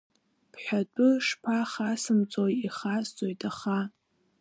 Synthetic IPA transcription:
pʰħʷᶣatʷʼʊʂpʰaχasɨmt͡sʷʼojiχast͡sʼojtʰʼaχa

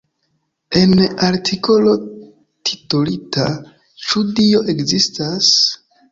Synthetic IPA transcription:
e̞naɾtʰikʰo̞lo̞ | tʰi̥tolitʰa | t͡ʃudio̞ʔe̞kzistas

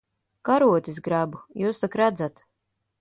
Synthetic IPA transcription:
kaɾuɔt̪ʲisɡɾabujuːst̪akɾad̪zat̪

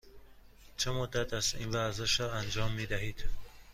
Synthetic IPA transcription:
t͡ʃʰəmud̪ːat̪azinvazaʃɔand͡ʒɔmːed̪aɦid̪̥

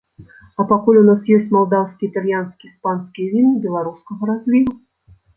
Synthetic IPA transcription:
ɐpakulʲunasjɔsʲt͡sʲmalˠd̪awskʲiit̪alʲjanskʲispanskʲijvʲinɨbʲɛlˠaɾuskɐɣɐɾazʲlʲiɾu

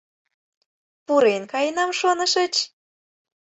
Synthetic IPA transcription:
puɾenkɑjnɑmʃonə̆ʃə̆t͡ɕ

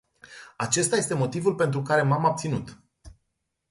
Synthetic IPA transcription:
at͡ʃe̞st̪aje̞st̪emo̞t̪ivulpe̞nt̪ɾukaɾe̞mamab̚t̪sinut̪

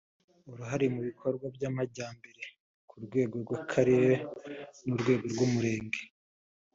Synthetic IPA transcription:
uɾuɦaɾimuβikʰo̞ɾɡwabɟamaɟaːmbe̞ɾe̞ | kʰuɾɡwe̞ːɡo̞ɾɡwakʰaɾeɾenuɾɡwe̞ːɡo̞ɾɡwumuɾe̞ːŋɡe̞

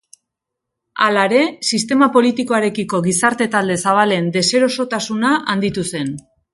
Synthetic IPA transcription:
alaeɾe̞sist̪e̞mapo̞lit̪iko̞aɾe̞kiko̞ɣisaɾt̪e̞t̪ald̪e̞saβ̞ale̞nd̪e̞se̞ɾo̞so̞t̪asunaʔand̪it̪use̞n

